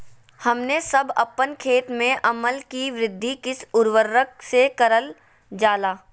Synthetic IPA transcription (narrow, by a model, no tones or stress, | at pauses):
hɐmnesɐbɐpːənkʰeːt̪mẽʔɐməlkiʋɾɪd̪ʱːikɪsʊɾʋəɾːəksekɐɾəl | d͡ʒaːlaː